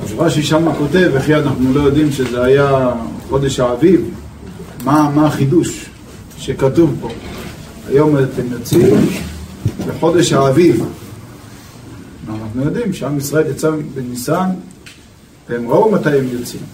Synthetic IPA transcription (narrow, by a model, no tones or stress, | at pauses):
ʃuʁaʃiʃamako̞t̪e̞veχianaχnulo̞jo̞d̪imʃezeajaħo̞d̪e̞ʃhaːviv | mamaːχid̪uʃ | ʃekat̪uvbo̞ | a̰jo̞mat̪emjo̞t͡sim | beħo̞d̪e̞ʃhaːviv | maanaχnujo̞d̪imʃeamisʁaeljat͡sabenisan | vehemʁoumat̪ajemjo̞t͡sim